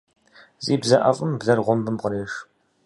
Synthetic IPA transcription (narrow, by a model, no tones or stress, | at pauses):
zʼiːbzɐʔɐfʼɨmbzɐrʁʷʊmbɨmqəɾeːʃ